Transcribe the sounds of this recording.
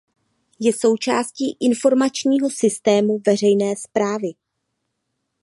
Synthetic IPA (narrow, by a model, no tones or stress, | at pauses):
jɛso̞wt͡ʃaːsciːʔɪnfo̞ɾmat͡ʃɲiːɦo̞sɪst̪ɛːmuvɛr̝ɛjnɛːspɾaːvɪ